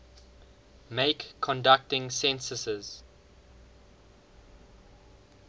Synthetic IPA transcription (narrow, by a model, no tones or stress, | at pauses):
meɪkʰːɔ̃ndak̚tɪ̃ŋsɛ̃nsəsəz̥